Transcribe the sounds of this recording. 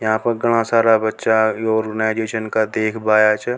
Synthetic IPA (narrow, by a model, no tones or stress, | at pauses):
jɐɦãpəɾɡəɽ̃ãsaːɾabətːʃajoːɾɡənaːɪd͡ʒeːʃənkad̪eːkʰbaːjat͡ʃʰə